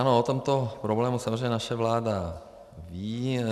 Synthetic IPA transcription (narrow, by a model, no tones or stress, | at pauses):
ano̞ot̪o̞mt̪o̞pɾoblɛːmusamozreɛjɲɛnaʃɛvlaːda | viː